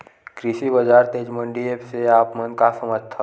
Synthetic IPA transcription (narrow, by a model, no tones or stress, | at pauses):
kɾisibɐd͡ʒaːɾt̪eːd͡ʒmə̃ɳɖiepseaːpmə̃nkasəməd͡ʒʱt̪ʰa